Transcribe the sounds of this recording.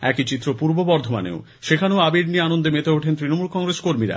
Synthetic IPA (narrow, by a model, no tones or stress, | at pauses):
ɛkit͡ɕit̪ːɾopuɾbobɔɾd̪ʱoma̰nḛo | ʃekʰaneoabiɾnieanond̪emet̪eoʈʰent̪ɾinomulkɔŋɾeskoɾmiɾa̰